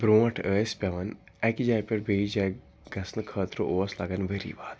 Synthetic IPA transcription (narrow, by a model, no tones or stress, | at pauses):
bɾõːɐʈʰəːspʲaːʋɐn | ɛkid͡ʒaːjpʲeɾbeːid͡ʒaː | ɡɐsnɨkʰəːt̪ɾoʔoːɐsla̰ːɡɐnʋeɾḭːbaːt̪